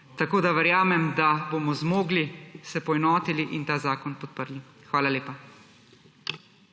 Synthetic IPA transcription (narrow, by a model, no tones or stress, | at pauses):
t̪akoːd̪aʋɛɾjaːmɛmd̪abomɔzmoːɡlisɛpɔɛnɔːt̪iliʔint̪aːzaːkɔnpɔt̪̚pəɾli | xʋaːlaleːpa